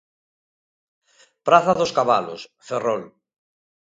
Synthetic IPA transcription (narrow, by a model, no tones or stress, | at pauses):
pɾaθaðoskaβalo̰sferɔl